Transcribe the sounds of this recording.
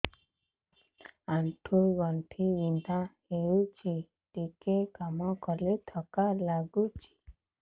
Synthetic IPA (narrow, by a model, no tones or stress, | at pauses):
aɳʈʰuɡɔɳʈʰiʋind̪ʱahejut͡ʃi | ʈikekamɔkɔlet̪ʰɔkalaɡut͡ʃʰi̥